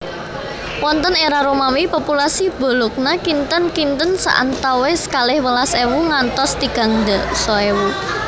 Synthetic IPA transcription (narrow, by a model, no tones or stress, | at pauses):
wɔnt̪əneɾaɾomamipopulasib̥o̤lok̚nakint̪ənkint̪ənsa̰ʔa̰nt̪awesə̥kalɪhwəlasewuŋant̪ɔst̪iɡ̥a̤ŋd̪əsɔewu